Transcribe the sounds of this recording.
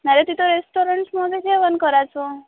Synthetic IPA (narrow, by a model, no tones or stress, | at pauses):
naɾet̪it̪oɾesʈoɾəɳʈmɔɡed͡ʒeʋənkəɾat͡ʃʰo